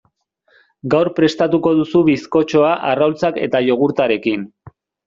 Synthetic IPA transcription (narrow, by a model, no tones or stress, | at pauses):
ɡawɾpɾe̞st̪at̪uko̞ðusuβisko̞t͡ʃo̞aʔarawlt͡sake̞̰t̪aʎo̞ɣuɾt̪aɾe̞kin